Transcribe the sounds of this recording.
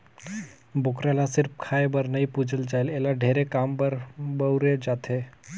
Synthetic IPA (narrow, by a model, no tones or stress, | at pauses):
bokɾalasiɾp̚kʰaebəɾnəipud͡zəld͡zajlelaɖʱeɾekambəɾbəwɾed͡zat̪ʰe